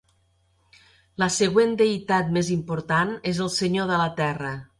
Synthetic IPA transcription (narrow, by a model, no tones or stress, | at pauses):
ləsəɣwend̪eit̪at̪̚mezimpuɾt̪anezəlˠsəɲoðələt̪ɛrə